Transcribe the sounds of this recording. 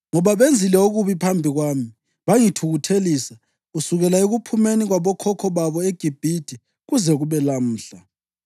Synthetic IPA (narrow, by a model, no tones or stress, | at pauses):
ŋɔβaβend͡zʱilɛoɣuβipʰambʱiɣwaːmi | βaŋitʰuɣutʰeliːsa | usuɣɛlaeɣupʰumeniɣwaβɔkʰɔkʰɔβaβɔeɡ̥ʱib̥ʱid̥ʱi | ɣuzɛɣuβɛlam̩ːɬa